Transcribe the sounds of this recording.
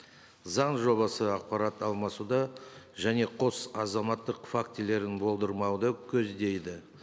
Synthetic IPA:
zɑɴʒo̞βɑsəɑq̚pɑɾɑt̪ʰɑlˠmɑsud̪ɑ | ʒæne̞qʰo̞sɑzɑmɑt̪ːəqfakt̪ele̞ɾɪnbo̞lˠd̪əɾmɑwd̪əkʲʰɵzd̪e̞jd̪ɪ

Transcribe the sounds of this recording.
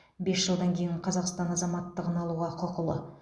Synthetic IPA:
be̞sʒəlˠd̪ɑŋkʲʰe̞jɪɴqʰɑzɑqst̪ɑnɑzɑmɑt̪ːəʁənɑlˠuʁɑqʰəqəlˠə̰

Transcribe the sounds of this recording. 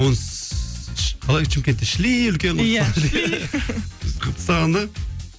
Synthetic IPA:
on | qʰɑlˠɑjt͡ʃʰɪmkʲent̪ːɪʃliʏlkʲend̪e | qʰəp̚t̪ːə̥sɑʁɑnd̪ɑ

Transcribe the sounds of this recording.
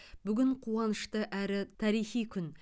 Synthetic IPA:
b̥ʏɡʲɪɴqʰuwɑnəʃt̪əʔæɾɪt̪ʰɑɾijχijkʲʰʏn

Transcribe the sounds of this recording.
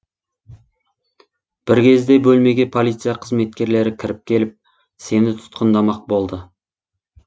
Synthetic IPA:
b̥ɪɾkʲʰe̞zd̪e̞bɵlme̞ɡʲe̞pʰo̞lʲˠit̪sɨjɑqʰəzme̞t̪kʲe̞ɾle̞ɾɪkʲʰɪɾɪp̚kʲe̞lɪp̚ | se̞nɪt̪ʰʊ̥t̪qənd̪ɑmɑq̚bo̞lˠd̪ə

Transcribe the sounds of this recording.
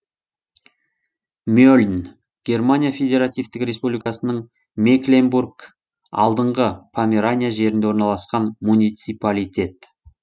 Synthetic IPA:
mølʲn | ɡ̥ʲe̞rmanʲijafʲe̞d̪ʲe̞ɾat̪ijft̪ɪkrʲe̞spublijkasənəɴ | mʲe̞klʲe̞mburɡ | ɑ̰lˠd̪əɴʁəpʰamʲiɾanʲijaʒe̞ɾɪnd̪e̞wo̞ɾnɑlˠɑsqɑnmunijt̪sipalʲijt̪ʲe̞t̪

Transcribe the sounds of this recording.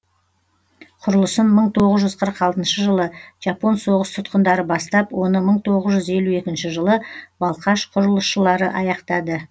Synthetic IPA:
qʰʊɾəlˠəsənməɴt̪ʰo̞ʁəzʒʏzqʰəɾəqɑlˠt̪ənʃəʒəlˠəʒ̥ɑpo̞nso̞ʁəst̪ʰʊt̪qənd̪ɑɾəbɑst̪ɑpwo̞nəməɴt̪ʰo̞ʁəzʒʏze̞lʲue̞kʲɪnʃɪʒəlˠəbɑlˠqɑʃqʰʊɾəlˠəsʃəlˠɑɾəʔɑjɑqt̪ɑd̪ə

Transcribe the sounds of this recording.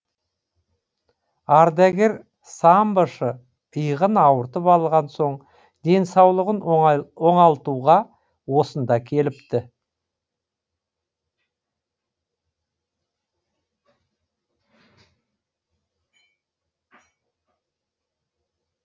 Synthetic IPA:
ɑɾd̪æɡʲeɾ | sɑmbəʃə | əjʁənɑwəɾt̪əpɑlˠʁɑnso̞ɴ | d̪e̞nsɑwlˠəʁəno̞ɴɑlˠt̪uʁɑ | wo̞sənd̪ɑkʲʰe̞lɪpt̪ɪ

